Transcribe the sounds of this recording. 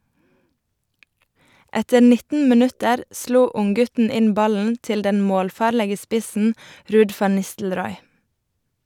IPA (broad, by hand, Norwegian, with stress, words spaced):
ˈɛtə ˈnɪtn̩ məˈnʉtəɾ ˈsluː ˈʊŋˌɡʉtn̩ ˈɪn ˈbɑln̩ ˈtɪl ˈdɛn ˈmoːlˌfɑːɾləɡə ˈspɪsn̩ ˈɾʉːd ˈfɑn ˈnɪstl̩ˌɾɔʏ